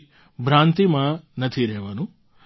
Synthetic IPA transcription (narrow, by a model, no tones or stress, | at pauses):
bʱɾãːnt̪imanɐt̪ʰiɾeɦʋɐnũ